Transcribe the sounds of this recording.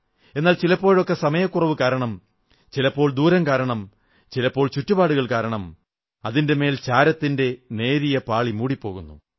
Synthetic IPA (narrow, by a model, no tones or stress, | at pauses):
e̞nːaːlt͡ɕilɐpːo̞ːɻo̞kːesɐmɐjɐkːurɐʋɨkaːɾɐɳɐm | t͡ɕilɐpːo̞ːɭd̪uːɾɐmkaːɾɐɳɐm | t͡ɕilɐpːo̞ːɭt͡ɕutːubaːɽuɣɐɭkaːɾɐɳɐm | ɐðinde̞me̞ːlt͡ɕaːɾɐt̪ːinde̞ne̞ːɾijɐpaːɭimuːɽipːo̞ːɣunːṵ